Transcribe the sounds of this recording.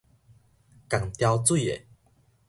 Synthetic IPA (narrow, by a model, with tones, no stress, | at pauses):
ka˨˩ŋt̪ja˧wt͡swu˥˨ḛ˨